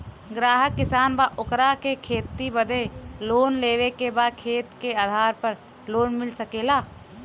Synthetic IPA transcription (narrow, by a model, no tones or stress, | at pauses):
ɡɾaːɦəkːɪsaːnbaʔokɾakekʰeːt̪ːibəd̪ʱeloːnleːʋekebakʰeːt̪keaːd̪ʱaːɾpəɾ | loːnmɪlsəkeːlaː